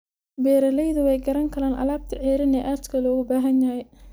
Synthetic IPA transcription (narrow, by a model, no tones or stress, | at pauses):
bɛːɾɐlɛjðʊwɛjɡɐɾɐŋkʰɐlaːnʔɐ̰laːb̚t̪ʰɐʕɛːɾɪnɛʔaːd̪kʰɐlɔːɣʊbaːɦɐnjɐhɛj